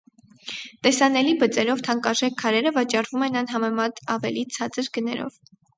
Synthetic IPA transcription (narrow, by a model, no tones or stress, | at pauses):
t̪ɛsɑnɛlibət͡sɛɾɔvt̪ʰɑŋkɑʒɛkʰːɑɾɛɾəvɑt͡ʃɑrvumɛnɑnɦɑmɛmɑt̪ɑvɛlit͡sʰɑt͡səɾɡənɛ̰ɾɔ̰v